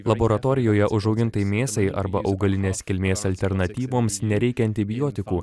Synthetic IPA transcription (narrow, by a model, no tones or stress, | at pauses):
lˠɐboːɾɐt̪oːɾʲɪjoːjɛʔʊʒɒʊɡʲɪnt̪ɐɪmʲeːst̪ɐɪʔɐ̰ɾbɐʔɒʊɡɐlʲɪnʲeːskʲɪlʲmʲeːsɐlʲt̪ʲɛɾnɐt̪ʲiːʋoːmsnʲɛɾʲɛɪkʲɛɐnʲt̪ʲɪbʲɪjoːt̪ʲɪkuː